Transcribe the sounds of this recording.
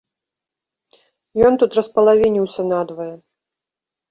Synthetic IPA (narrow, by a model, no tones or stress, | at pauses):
jɔnt̪ut̪rɐspɐlˠavʲinʲiwsʲɐnad̪vɐjɛ